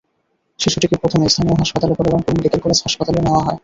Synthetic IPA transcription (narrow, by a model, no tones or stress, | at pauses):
ʃiʃuʈikepɾot̪ʰomest̪ʰanioɦaʃpat̪alekoɾeɾankomikik̪elkoɾasɦaʃpat̪aleneoaɦɔe